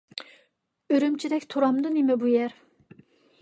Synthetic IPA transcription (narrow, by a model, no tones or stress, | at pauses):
øɾymt͡ʃʰid̪ɛkʲt̪ʰuɾɑmd̪ɨnimɛbujɛɾ